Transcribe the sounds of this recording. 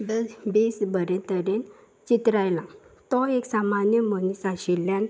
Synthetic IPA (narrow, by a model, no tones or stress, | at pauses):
bbesbəɾẽt̪əɾen | t͡ɕit̪ɾajlãt̪ɔeksamanjəmənisaɕilːjan